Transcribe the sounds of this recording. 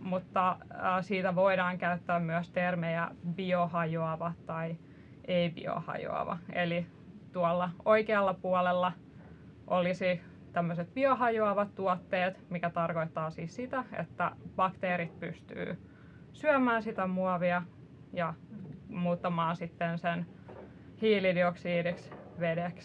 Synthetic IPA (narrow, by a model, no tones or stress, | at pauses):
mut̪ːɑəːsiːt̪æʋoiɾɑːŋkæyt̪ːæːmmyæst̪ermejæbiohɑjoɑʋɑt̪t̪ɑi | eibḭo̰hɑ̰jo̰ɑ̰ʋɑ̰eli | t̪uɑlːɑoikeɑlːɑpuɑlelːɑ | ʔolisi | t̪æmːøset̪̚b̥iohɑjoɑʋɑt̪t̪uɑt̪ːeːt̪mikæt̪ɑrkoit̪ːɑːsiːssit̪æḛt̪ːæb̥ɑkt̪eːɾit̪̚pyst̪y̰ː | syæmæːnsit̪æmuɑʋiɑ | jɑ | muːt̪ːɑmɑːnsit̪ːensen | hiːlidioksiːdiksʋedeks